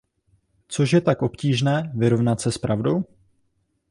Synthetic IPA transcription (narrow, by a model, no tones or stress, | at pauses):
t͡so̞ʃjɛt̪akʔo̞pciːʒnɛːvɪɾo̞vnat̪sɛspɾʔavdo̞w